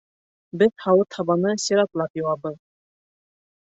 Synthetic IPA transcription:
bɘðhɑwɤt̪ʰɑβɑnɤsʲiɾɑt̪lˠɑpjuwɑbɤð

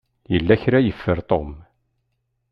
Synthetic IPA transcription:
jəlːæçɾæjəfːəɾt̪ˤom

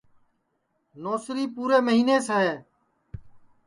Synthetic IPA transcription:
noːsɾiːpuːɾeːməɦiːneːsəɦeː

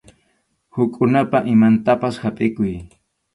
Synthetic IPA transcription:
hʊkʼʊnapaʔɪmant̪apashapʼɪkʊj

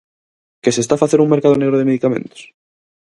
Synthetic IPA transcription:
kesest̪afaθeɾuŋme̞ɾkaðone̞ɣ̞ɾoðemeðikamẽ̞̰nt̪o̥s

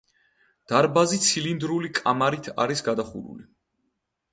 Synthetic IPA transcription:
d̪̥aɾbazit̪sʰilind̪ɾulikʼamaɾit̪ʰa̰ɾisɡad̪aχṵɾṵli

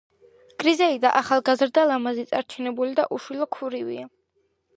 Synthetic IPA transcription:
ɡ̥ɾizɛid̪aʔaχalˠɡazɾd̪alamazit̪sʼaɾt͡ʃʰɛnɛbulid̪aʔuʃwilˠɔkʰuɾivḭa

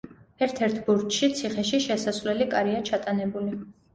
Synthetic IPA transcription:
ɛɾt̪ʰɛɾt̪ʰbuɾtʃit̪sʰiχɛʃiʃɛsasvlɛlikʼaɾiat͡ʃʰat̪ʼanɛbuli

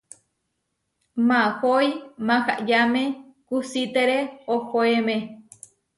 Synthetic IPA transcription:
mãhojmãha̰ʔjamẽkusit̪eɾeohoemẽ

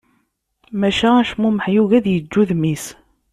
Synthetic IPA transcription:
mæʃææʃmuməħjuʝæðjəd͡ʒːuðmis

